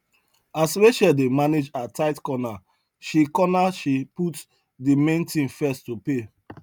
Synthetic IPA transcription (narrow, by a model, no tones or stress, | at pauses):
asweʃɛdemaned͡ʒataɪtkɔna | ʃikɔnaʃiput | dimẽntĩnfɛstːupe